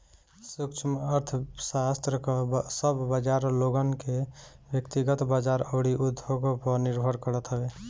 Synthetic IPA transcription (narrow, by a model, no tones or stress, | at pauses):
sukt͡ʃʰməɾt̪ʰsast̪ɾəksəbbad͡ʒaɾloɡənke | bjəkt̪iɡət̪bad͡ʒaɾəːɽiʔud̪ʱːoɡpəɾniɾbʱəɾkəɾət̪ɦəbe